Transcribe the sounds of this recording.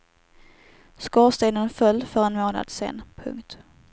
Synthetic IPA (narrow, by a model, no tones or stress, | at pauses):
skɑːst̪eːnənfœlːfœɾɛnmoːna̰d̪̥sḛːnpʰɵ̰ŋkt̪